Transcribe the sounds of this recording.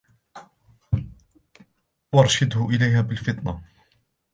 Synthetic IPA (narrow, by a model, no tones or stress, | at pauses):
wɑɾˤʃɪd̪hʊʔɪlajɦaːbɪlfɪt̪ˤna